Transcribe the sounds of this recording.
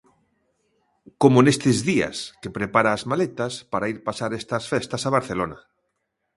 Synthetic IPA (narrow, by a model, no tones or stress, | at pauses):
komonest̪ezðia̰skepɾepaɾaːzmalet̪aspaɾaiɾpasaɾest̪asfest̪asaβ̞aɾθelona